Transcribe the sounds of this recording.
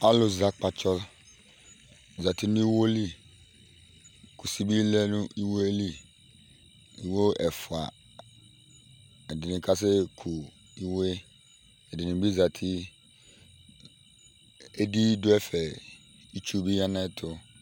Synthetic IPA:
a˦lʊ˨za˨k͡pa˨t͡ʃʰɔ˦l | za˨tʰɪ˦nʊ̃˦i˦wo˦li˦ | kʰu˨si˦bi˦lɛ˦nʊ̃˦ʔi˦wo˦e˦li˦ | i˨wo˦ɛ˨fʊ˨a̰˨ | ɛ˨dɪ˨nɪ̃˨kʰa˦s̬ɪ˦kʰu˨ | i˦we˦ | ɛ˨dɪ˨nɪ̃˨bi˦za˨tʰɪ˦ | e˦di˦dʊ˦ɛ˦fɛ˨ | i˦t͡ʃu˦˨bi˦ã˦nã˦˨tʰʊ˦

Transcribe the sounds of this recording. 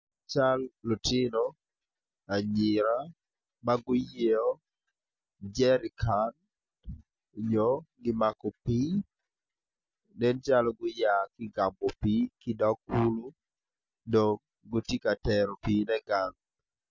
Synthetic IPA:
t͡ʃa˦lːɔ˨tɪ˦nɔ | a˨ɲɪ˨ɾa˦ | ma˦ɡʊ˦je˦ɔ˦ | d͡ʒɛ˦ɾɪ˨kʰan | ɲɔ˦ɡɪ˦ma˨kɔ˨pi˦ | nɛ˦nt͡ʃa˦lɔɡʊ˦ja˨kɪ˦ɡa˨mbɔ˨pi˦kɪ˦da˦ku˦lo˦ | do˨ŋ | ɡo˦ti˦ka˨tɛɾɔ˨pi˨nɛ˦ɡa˨ŋ

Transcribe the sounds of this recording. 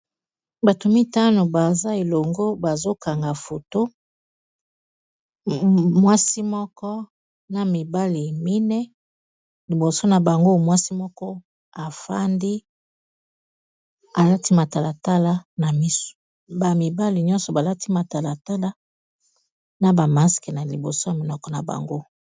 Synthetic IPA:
ba˨to˨mi˦ta˦no˨ba˨za˦e˨lo˨ŋɡo˦ba˨zo˦ka˨ŋɡa˨fo˨to˦ | mwa˦si˦mɔ˦kɔ˦ | na˨mi˨ba˦li˨mi˦nɛ˦ | li˨bo˨so˦na˨ba˨ŋɡo˦mwa˦si˦mɔ˦kɔ˦ | a˨fa̰˦ndi˦ | a˨la˦ti˦ma˨ta˨la˨ta˦la˦na˨mi˦so̥˨ | ba˨mi˨ba˦li˨ɲɔ̃˦nsɔ˨ba˨la˦tʰi˦ma˨ta˨la˨ta˦la˦ | na˨ba˨ma˦skɛ˨na˨li˨bo˨so˦ja˨mi˨nɔ˦kɔ˨˦na̰˨ba̰˨ŋɡo˦

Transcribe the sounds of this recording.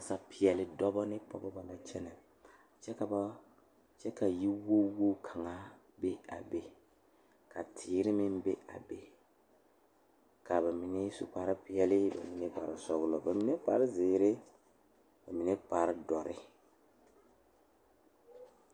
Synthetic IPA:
a˨sa˨pʰɪ˨ɛ˨lɪ˨dɔ˦bɔ˦nɪ˦pɔ˦bɔ˦ba˨na˨t͡ʃɛ˦nɛ˨ | t͡ʃɛ˦ka˨ba˦ | t͡ʃɛ˦ka˨ji˦wo˦wo˦kʰa˨ŋa˦ | be˦a̰˨be˦ | kʰa˨tʰɪː˨˦ɾɪ˦mɪ˦nbe˦a̰˨be˨ | ka˨ba˨mi˨nɪ˦sṵ˨pa˦ɾɪ˦pɪ˦jɛ˦lɪ˦ba̰˨mi˨nɛ˦pa˨ɾɪ˨sɔ˨ɣʊ˦lɔ˨ba˨mi˨˦ne˦pa˨ɾɪ˦zɪː˨ɾɪ˦ | ba˨mi˨nɛ˦pa˨ɾɪ˦dɔ˨ɾɪ̰˦

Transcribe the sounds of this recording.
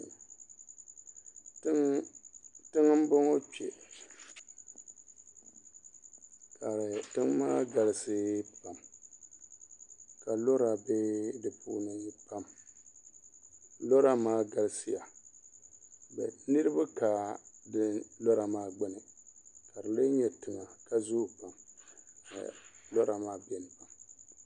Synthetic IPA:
tɨ˦ŋɨ˦m̩˦bɔ˦ŋɔ˦k͡pɛ̰˨ | ka˨ɾɪ˨tɨ˦ŋmaː˦ɡa˨lɪ˦sɨ˦pa˨m | ka˨lo˦ɾa˨beː˦dɨ˨pʰṵ˦nɨ˨˦pa˦m | lɔ˦ɾa˦maː˦ɡa˨lsɪ˦ja˨ | bɛ̰˨nɨ˦ɾɨ˦ba˦kaː˨dɪ˦lɔ˦ɾa˨maː˦ɡ͡bɛ˦nɨ˨ka˨ɾɨ˨le˦ɲɛ˨tɪ˨ŋa˨ka˦zu˦˨pa˨m | a̰˨lɔ˦ɾa˨maː˦bɛ˦˨n˨pa˨m

